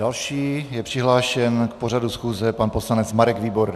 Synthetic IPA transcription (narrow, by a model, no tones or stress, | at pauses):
dalʃiːjɛpr̥ɪɦlaːʃɛnkpor̝adusxuːzɛpanposlanɛt͡smaɾɛɡviːboɾ